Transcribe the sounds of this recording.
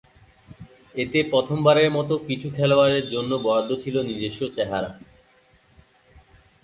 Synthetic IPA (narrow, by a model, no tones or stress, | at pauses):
et̪epɾɔt̪ʰombaɾeɾmɔt̪okit͡ɕʰukʰɛloaɾeɾd͡ʑonːobɔɾad̪ʱːot͡ɕʰilonid̪eʃːot͡ɕɛɦaɾa̰